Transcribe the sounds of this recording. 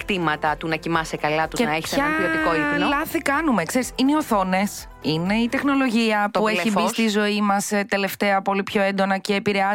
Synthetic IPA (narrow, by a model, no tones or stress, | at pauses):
kt̪imɐt̪ɐt̪unɐcimɐsekɐlɐt̪uzenɐeçi̥sseɐpiot̪ikoinolɐθikɐnume̞kse̞ɾisineio̞θo̞ne̞s | ine̞it̪e̞xno̞lo̞ʝiɐpueçibisst̪izo̞imɐset̪e̞le̞ft̪e̞ɐpo̞lipço̞end̪o̞nɐceːpiɾe̞ɐz